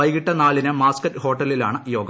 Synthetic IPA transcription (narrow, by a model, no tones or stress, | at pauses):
ɐjɣiʈːɐnaːlinɨmaːskɐtːho̞ːʈːɐlːilaːɳɨjo̞ːɡɐ